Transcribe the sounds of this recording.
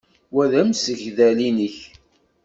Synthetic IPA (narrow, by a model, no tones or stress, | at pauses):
wæðæmsəʝðælinəç